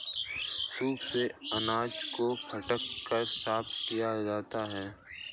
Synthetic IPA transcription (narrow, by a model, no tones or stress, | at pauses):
suːbseɐnaːd͡ʒkokʰɐʈəkːəɾsaːpt̪kijad͡ʒaːt̪aɦɛː